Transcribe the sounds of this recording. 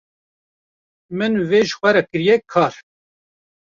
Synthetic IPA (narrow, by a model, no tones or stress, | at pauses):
mɨnveːʒə̥xʷɛɾɛkɨɾjɛkʰɑːɾ